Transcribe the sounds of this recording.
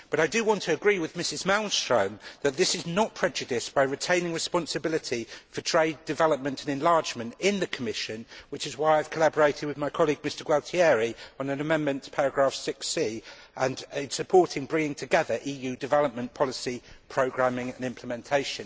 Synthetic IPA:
b̥ʌɾaɪdəwɒ̃ntʰəːɡɹiːwɪðmɪsɪzmãʊ̃nstɹ̥ə̰̃ʊ̃nðət̪̚ðɪsɪznət̚pʰɹ̥ɛd͡ʒɨdɪsb̥aɪɹɪtʰẽɪ̃nɪ̃ŋɹɨspɑ̃nsɨbɪlɪtʰifətʰɹ̥eɪdɨvɛləp̚mə̃ntʰə̃nɛ̃nlɑɹd͡ʒmə̃ntɪ̃nðɨkʰəmɪʃə̃nwɪt͡ʃɪzwaɪaɪv̥kʰəlabəɹeɪtɪd̚wɨðmaɪkʰɒliɡ̚mɪstə˞ɡwɛlˠtʰiɛɹiə̃nə̃nəmɛ̃nmə̃ntspʰaɹəɡɹɑˑfsɪksiːʔə̃nɪsəpʰɔɹtɪ̃ŋbɹɪ̃ŋɪ̃ŋtʰɨɡɛðəɹʔiːjʉdɨvɛləp̚mə̃npʰɒlɪsipʰɹ̥əʊɡɹæ̃mɪ̃ŋə̃nɪ̃mpʰləmɛ̃ntʰeɪʃə̃n

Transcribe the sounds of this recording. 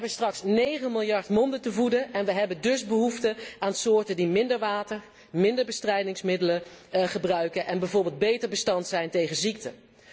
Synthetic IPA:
bənstrɑksnejχənmɪlˠjɑɹtmɔndətəvudəʔɛnʋəɦɛbəndɵsbəɦuftəaːnsʊːɹtəndimɪndəɹʋaːtəɹ | mɪndəɹbəstrɛjdɪŋsmɪdələχəbrœɥkənʔɛnbɛjvʊːɹbɪːlˠd̚bejtəɹbəstɑntsɛjntejχənzik̚tə

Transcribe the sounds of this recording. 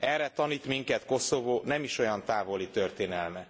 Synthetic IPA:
ɛrːɛt̪ɒniːt̪miŋkɛt̪ko̞so̞voːnɛmiʃo̞jɒnt̪aːvo̞lit̪ørt̪eːnɛlmɛ

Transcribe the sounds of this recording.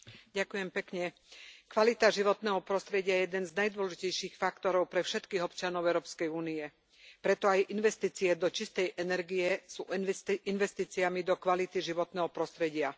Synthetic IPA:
ɟakujɛmpɛkɲɛ | kʋalit̪aʒiʋɔt̪nɛːɦɔpɾɔst̪ɾɛɟɪajɛjɛd̪ɛnznajd̪ʊɔlɛʒicɛjʃiːxfakt̪ɔɾɔʊpɾɛfʃɛt̪kiːɦɔpt͡ʃanɔʊɛʊɾɔːpskɛjuːniɛ | pɾɛt̪ɔajʔinʋɛst̪iːt͡siɛd̪ɔt͡ʃist̪ɛjʔɛnɛɾɡijɛsṵːinʋɛst̪iːt͡siamid̪ɔkʋalit̪iʒiʋɔt̪nɛːɦɔpɾɔst̪ɾɛɟɪa

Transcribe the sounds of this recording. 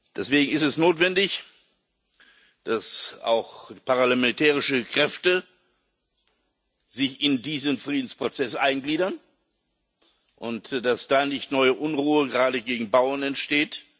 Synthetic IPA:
d̥ɛsv̥eːɡŋ̩ɪstɛsnoːtv̥ɛndɪç | d̥asa̰ʊxpʰaʁalamɛntʰɛːʁɪʃəkʁ̥ɛftə | z̥ɪçɪndiːzənfʁ̥iːdn̩spʁ̥ot͡sɛsʔaɪnɡliːdɐn | ʔʊntd̥asd̥aːnɪçtnɔʏəʔʊnʁuːəɡəʁaːdəɡeːɡŋ̩baʊɐnɛntʃteːt

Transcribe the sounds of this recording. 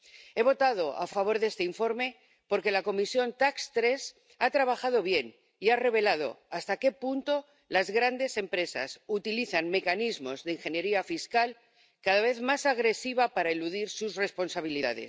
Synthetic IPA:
e̞β̞o̞t̪að̞o̞a̰faβ̞o̞ɾðe̞st̪eiɱfo̞ɾme̞ | po̞ɾke̞lako̞misjo̞nt̪akst̪ɾes | at̪ɾaβ̞axaðo̞β̞je̞n | iare̞β̞e̞lað̞o̞̰ast̪ake̞punt̪o̞ | lazɣɾand̪e̞se̞mpɾe̞sa̰sut̪iliθanme̞kanizmo̞zðeiŋxe̞nje̞ɾiafiskal | kaðaβ̞e̞θmasaɣ̞ɾe̞siβapaɾaeluðiɾsusre̞spo̞nsaβ̞iliða̰ðe̞̰s

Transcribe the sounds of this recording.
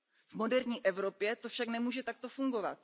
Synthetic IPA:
vmo̞dɛɾɲiːʔɛvɾo̞pjɛt̪o̞fʃaknɛmuːʒɛt̪ak̚t̪o̞fuŋɡo̞vat̪̚

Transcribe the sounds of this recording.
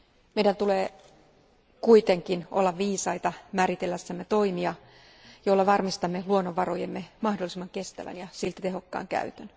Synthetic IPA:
mejdænt̪uleː | kuit̪e̞ŋkinʔo̞̰lːɑʋʋiːsɑjt̪ɑmæːɾit̪elːæsːæmːet̪o̞imiɑ | jo̞lːɑʋɑrmist̪ɑmːeluonːoʋʋɑɾojemːemɑhdolːˑisimːɑŋke̞st̪æ̰ʋæ̰njɑsilt̪æt̪e̞ɦo̞kːɑ̰ːŋkæ̰yt̪øn

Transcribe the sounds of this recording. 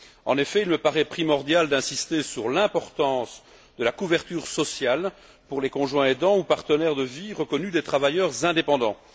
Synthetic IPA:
ɑ̃nefɛilməpaʁɛpχimɔʁd̪jald̪ɛ̃sist̪esyʁlɛ̃pɔʁt̪ɑ̃ːs | d̪əlakuvɛʁt̪yːʁsɔsjal | puʁlekɔ̃ʒwɛ̃ed̪ɑ̃upaʁt̪ənɛʁd̪əviʁəkɔnyd̪et̪χavajœʁzɛ̃d̪epɑ̃d̪ɑ̃

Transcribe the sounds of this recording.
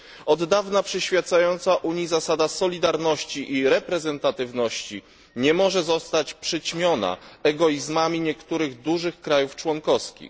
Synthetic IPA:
ɔd̪ːavnapʂɛɕfʲjat̪sajɔnt̪saʔuɲizasad̪asɔlʲid̪aɾnɔɕt͡ɕiʔiɾɛpɾɛzɛnt̪at̪ɘvnɔɕt͡ɕi | ɲɛmɔʐɛzɔst̪at͡ɕpʂɘt͡ɕmʲjɔna̰ɛɡɔizmamʲiɲɛkt̪uɾɘɣd̪uʐɘxkɾajuft͡ʂwɔŋkɔfskʲḭx

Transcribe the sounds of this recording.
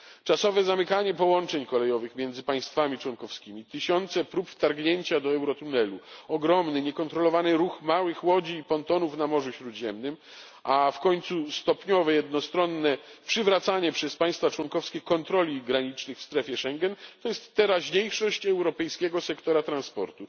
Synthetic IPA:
t͡ʂasɔvɛzamɘkaɲɛpɔwɔnt͡ʂɛɲkɔlɛjɔvɘxmʲjɛnd̪zɘpaj̃st̪famʲit͡ʂwɔnkɔfskʲimʲit̪ɘɕɔnt̪sɛpɾupft̪aɾɡɲeɲt͡ɕad̪ɔɛwɾɔt̪unɛluɔɡɾɔmnɘɲɛkɔnt̪ɾɔlɔvanɘɾuxmawɘxwɔd͡ʑiːpɔnt̪ɔnufnamɔʐuɕɾud̪ʑɛmnɘm | ʔafkɔɲt̪sust̪ɔpɲɔvɛjɛd̪nɔst̪ɾɔnːɛpʂɘvɾat̪saɲɛpʂɛspaj̃st̪fat͡ʂwɔŋkɔfskʲɛkɔnt̪ɾɔlʲiɡɾaɲit͡ʂnɘxfst̪ɾɛfʲjɛʂɛŋɡɛnt̪ɔjɛst̪ːɛɾaʑɲejʂɔɕt͡ɕɛwɾɔpɛjskʲɛɡɔsɛkt̪ɔɾat̪ɾanspɔ̰ɾt̪u

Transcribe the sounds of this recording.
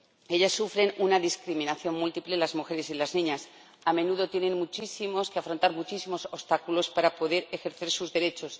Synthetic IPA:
e̞ʎasːufɾe̞nunaðiskɾimĩnaθjo̞nmult̪iple̞lazmuxe̞ɾe̞silaznĩɲas | amẽ̞nuðo̞t̪je̞nẽ̞nmut͡ʃisimo̞skeafɾo̞nt̪aɾmut͡ʃisimo̞so̞st̪akulo̞spaɾapo̞ðe̞ɾe̞xe̞ɾθe̞ɾsuzðe̞ɾe̞t͡ʃo̞s

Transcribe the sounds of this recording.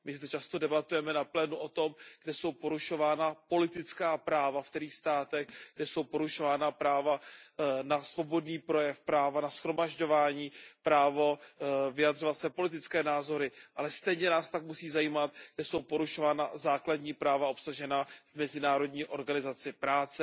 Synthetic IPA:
mɪzd̪ɛt͡ʃast̪o̞dɛbat̪ujɛmɛnaplɛːnuʔo̞t̪o̞mɡ̥dɛso̞wpo̞ɾuʃo̞vaːnapo̞lɪt̪ɪt͡skaːpɾaːvaft̪ɛɾiːxst̪aːt̪ɛɣɡdɛso̞wpo̞ɾuʃo̞vaːnapɾaːvanasvo̞bo̞dniːpɾo̞jɛfpɾaːvanasxɾo̞maʒɟo̞vaːɲiːpɾaːvo̞vɪjad̪ro̞vat̪sɛpo̞lɪt̪ɪt͡skɛːnaːzo̞ɾɪʔalɛst̪ɛjɲɛnaːst̪akmusiːzajiːmat̪ɡ̥dɛso̞wpo̞ɾuʃo̞vaːnazaːkladɲiːpɾaːvao̞psaʒɛnavmɛzɪnaːɾo̞dɲiːʔo̞ɾɡanɪzat͡sɪpɾaːt͡sɛ

